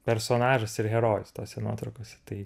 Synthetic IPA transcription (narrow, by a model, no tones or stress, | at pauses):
pʲɛɾsoːnɑːʒɐsɪɾɦʲɛɾoːjʊst̪oːsʲɛno̰ːt̪ɾɐʊkoːsʲɛ̥t̪ɐɪ